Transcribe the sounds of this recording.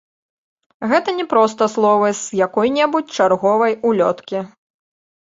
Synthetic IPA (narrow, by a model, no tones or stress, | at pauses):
ɣɛt̪ɐnʲɛpɾɔst̪ɐslˠɔvɨzjakɔjnʲɛbut͡sʲt͡ʂarɣɔvɐjulʲɔt̪kʲi